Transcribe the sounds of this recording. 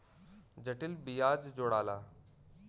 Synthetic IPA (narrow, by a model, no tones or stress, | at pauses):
d͡ʑəʈilbijad͡ʑd͡zoɽaːla